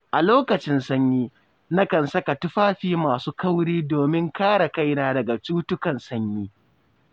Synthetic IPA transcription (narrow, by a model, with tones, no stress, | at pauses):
ʔa˨loː˦kɐ˨t͡ʃɪ˦nsɐ˦ɲjiː˦ | na˦kɐ˨nsɐ˦ka˨tʊ˦ɸaː˦ɸiː˦maː˨suː˦ka˦wɽiː˦doː˨mɪ˦ŋkaː˦ɽa˨ka˦jnaː˦dɐ˨ɡa˨t͡ʃuː˦tʊ˦kɐ˨nsɐ˦ɲjiː˦